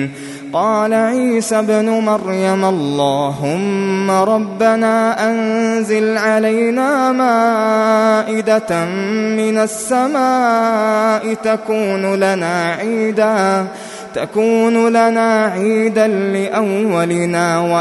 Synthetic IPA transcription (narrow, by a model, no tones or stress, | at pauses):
qɑːlaʕiːsabnʊmaɾjamʔɑlːɑːɦʊmːaɾˤɑbːanaːʔanzɪlʕalajnaːmaː | ʔɪd̪a | mɪnasːamaː | ʔɪt̪akuːnʊlanaːʕiːd̪aː | t̪akuːnʊlanaːʕiːd̪anlɪʔawːalɪnaːwa